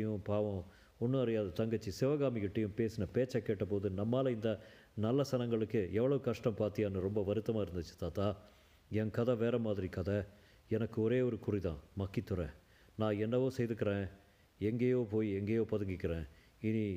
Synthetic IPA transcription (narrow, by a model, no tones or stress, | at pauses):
jʊ̃paːʋɐ̃ | ɔnːɯɐɾɪjaːðɐt̪ɐŋɡɐt͡ʃːisɪʋɐɣaːmɪkɪʈːɐjɯ̃mpeːsɯnɐpeːt͡ʃːɐkːeːʈːɐpoːðɯnɐmːaːlɐɪnd̪ɐ | nɐlːɐsɐnɐŋɡɐɭɯkːɯɛʋːɐɭɐʋɯkɐʂʈɐmpaːɾt̪ɪjaːnɯɾɔmbɐʋɐɾɯt̪ːɐmaːɪɾɯnd̪ɯt͡ʃːɯ̥t̪aːt̪aː | ɛnkɐðɐʋeːɾɐmaːðɪɾikɐðɐ | ɛnɐkːɯɔɾeːɔɾɯkʊɾiðã̰ːmɐkːit̪ːɯɾẽː | nãːɛnːɐʋõːsɛjðɯkːɪɾẽː | ɛŋɡeːjoːpoːjiɛŋɡeːjoːpɐðɐŋɡɪkːɪɾẽː | ɪni